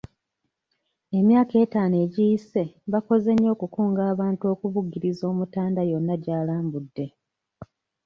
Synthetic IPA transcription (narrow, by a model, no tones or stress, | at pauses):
e̞mjaːke̞ːtaːne̞ːɟijise̞βako̞ze̞ɲːo̞ːkukuːŋɡaːβaːnto̞ːkuβuɡːiɾizo̞ːmutaːndajo̞nːaɟaːlaːmbudːe̞